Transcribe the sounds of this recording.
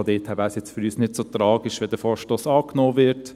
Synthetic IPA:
d̪eːthæbæɪsjɛt͡stføɾyːsnɪdsot̪ɾɑːɡiʃʋɛdəfoːɹʃtoːsɑːknoːʋɪɾt

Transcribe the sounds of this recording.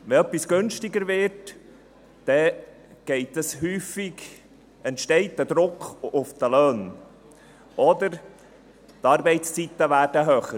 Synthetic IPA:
ʋɛœpːisɡ̥ɵnʃtɪɡəɾvɪɾt | d̥ɛ | ɡ̥ɛɪtəshyːfɪɡ | ɛntʃtɛɪt̚dədɾʊkχʊfd̥̪əløːn | ʔɔd̪əɾ | t̪ɑːɾbɛɪtst͡sit̪ːəvæːrdəɦøːχə

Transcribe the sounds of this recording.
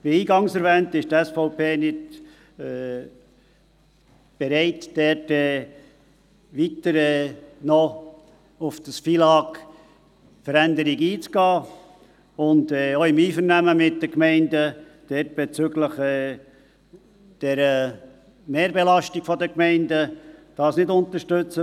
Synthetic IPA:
b̥ɪiːɡɑŋsɛɾvɛːntɪʃtɛsfɔʊpeːnɪd | ɛ | b̥eɾɛɪtd̥ɛtɛː | ʋitəɾɛnɔ | ʊfd̥əsfilɑːk | fəɾændəɾiɡiːt͡skɑː | ʊndɛoɪmiːfəɾnæməmɪt̚dəkmɛɪndəd̥ɛt̚b̥et͡sʏɡləχɛː | d̥ɛɾə | meːɾbelɑʃtikfɔdəkmɛɪndəd̥ɑːsnɪdʊntəɾʃtʏt͡sə

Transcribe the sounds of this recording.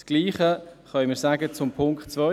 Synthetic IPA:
sɡ̥liːχəχœməsaːɡət͡sʊmpʰʊŋkχtt͡svœ

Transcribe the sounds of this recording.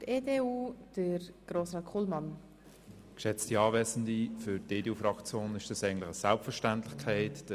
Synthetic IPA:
eːdeuːd̥əɾɡ̥ɾoːsʁɑkʰulmɑn | kʃɛt͡stiɑːvɛːsən̩difʏɾdeːdeːuːfrɑkt͡sjoːnɪʃd̥ɑsæɪɡn̩tlɪχəsalpfəɹʃtantlɪxkʰæɪtd̥ə

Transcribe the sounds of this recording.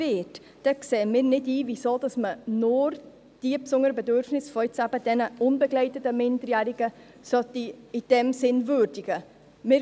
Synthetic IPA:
ɪːt | d̥ɛkseːəmɪːɾnɪdiːvisoːd̥ɑsmənʊɾ | d̥iːpsʊŋəɾəbɛdøɾfnɪsfɔɪt͡sæb̥əd̥ɛnəʔʊnbəɡlɛɪtətəmɪndəɾjæːɾɪɡ̥ə | sœtːiɪd̥ɛmsɪnvøːɾd̥ɪɡ̥ə | mɪː

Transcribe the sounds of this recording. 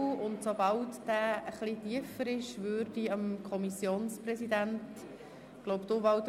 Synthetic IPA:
ʊntsobɑltd̥æːəχlitiəfəɾɪʃvøːɾdiəmkʰɔmisjoːnsprɛsidænt | ɡ̥loʊpd̥ʊːvɑlt̪

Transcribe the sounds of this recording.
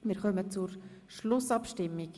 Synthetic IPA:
mɪːɾχœmət͡suɾ | ʃlʊsɑpʃtɪmːik

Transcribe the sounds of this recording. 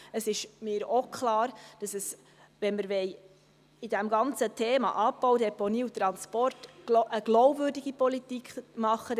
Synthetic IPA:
əsɪʃmɪːɾokʰlɑːɾd̥ɑsəs | ʋɛnməɾʋɛj | ɪdæmɡɑnt͡sətʰeːmɑ̰ʔɑbowdɛponiːut̪ɾɑnspɔrtʔəɡloʊbvʏːrdiɡipɔlitikχmɑχːə

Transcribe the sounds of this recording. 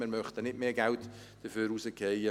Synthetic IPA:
mɪɾmœχtənɪtmeːɡælt | d̥əfyːɾuːsəkʰejə

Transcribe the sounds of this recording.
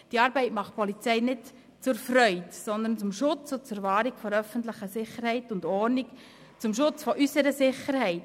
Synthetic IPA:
d̥iɑːɾbɛɪtmɑχt̚pʰɔlit͡sɛɪnɪt | t͡sʊɾfɾœʏdsɔnd̪ənt͡sʊmʃʊt͡sʊt͡sʊɾvɑːɾikfɔɾœfəntləχəsɪχəɾhɛɪtʊndɔɾnik | t͡sʊmʃʊt͡sfɔʔysəɾəsɪχəɾhɛɪt

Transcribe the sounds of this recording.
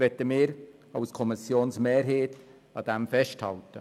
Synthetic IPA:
vɛtəmɪːɾ | aʊskʰɔmɪsjoːnsmɛːrɦeːt | ɑːd̥ɛmfɛʃthɑ̰ltə̰

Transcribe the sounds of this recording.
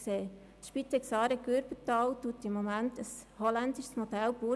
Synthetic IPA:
seː | ʃpit̪ɛksɑːɾɛkøɾbətɑwtutɪmːomæntəshɔlændɪʃsmod̥̪ɛlb̥u

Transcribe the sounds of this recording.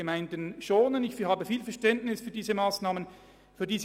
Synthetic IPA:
əmaɪndənʃoːnənɪçhaːbəfiːlfɛɐʃtɛntnɪsfyːɐdiːzəmaːsnaːmən | fyːɐdiːz

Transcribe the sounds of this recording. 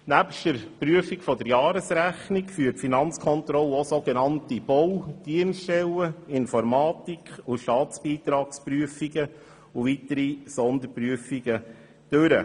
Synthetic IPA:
næpʃtəɾpryəfikfɔdəɾjɑːɾəsɾæχnikfyːtfinɑnt͡skʰɔnt̪ɾɔlosoɡenɑntib̥ɔwd̥iənstɛləɪnfɔɾmɑːt̪ikχʊʃtɑːtt͡sb̥iːt̪ɾɑːkspɾyəfiɡə | ʊvit̪əɾisɔnd̪əɾpɾyəfiɡə | d̥øɾə̰

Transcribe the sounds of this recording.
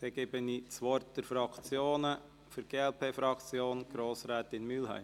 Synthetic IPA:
sɛɡ̥eːbənit͡sʋɔɾt̚d̥ɛɾfɾɑkt͡sjoːnə | fyɾɡ̥eːɛlpʰeːfɾɑkt͡sjoːnɡ̥ɾoːsɾɛːtɪnmyːlɦæ̰ɪm

